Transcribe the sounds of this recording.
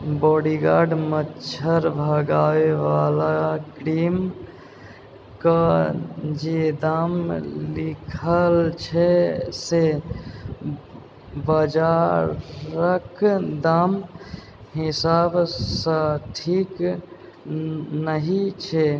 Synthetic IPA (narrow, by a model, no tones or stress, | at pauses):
bɔːɽiɡaːɾɖmətːt͡ʃʰəɾbʱəɡaʋeʋalakɾim | ka | d͡ʒed̪amlikʰəlt͡ʃʰese | bəd͡ʒa | ɾəkd̪am | ɦisaːbsə̃ʈʰik | nəɦit͡ʃʰe